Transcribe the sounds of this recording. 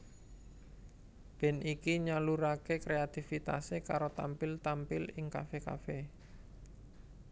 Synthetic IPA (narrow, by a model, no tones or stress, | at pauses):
b̥ɛ̤nikiɲaluɾakekɾeat̪ifit̪a̰sekaɾot̪ampɪlt̪ampɪlɪŋkafeka̰fe